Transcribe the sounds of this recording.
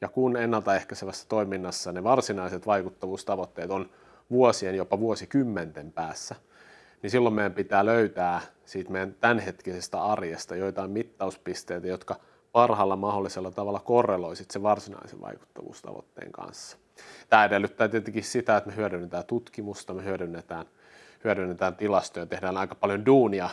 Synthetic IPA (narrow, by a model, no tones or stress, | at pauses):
jɑkunenːɑlt̪ɑehkæseʋæsːæ̥t̪oiminːɑsːɑneʋɑrsinɑiset̪ʋɑikut̪ːɑʋuːst̪ɑʋot̪ːeːt̪on | ʋuosienjopːɑʋuosikymːent̪empæːsːæ | nisilːommejæmpit̪æːløyt̪æː | siːt̪mejænt̪ænhet̪kisest̪æɑrjest̪ɑjoit̪ɑimmit̪ːɑuspist̪eit̪æjot̪kɑ | pɑrhɑlːɑmɑholːiselːɑt̪ɑʋɑlːɑkorːeloisit̪seʋɑrsinɑ̰isḛʋʋɑ̰iku̥t̪ːɑ̰ʋṵːst̪ɑ̰ʋo̰t̪ːḛːŋkɑ̰nsːɑ̥ | t̪æːedelːyt̪ːæːt̪iet̪eŋkissit̪æet̪mehyædynːet̪æːnt̪ut̪kimust̪ɑmehyædynːet̪æːn | hyæɾynːet̪æːnt̪ilɑst̪ojɑt̪ehdæːnɑikɑ̥pɑljonduːniɑ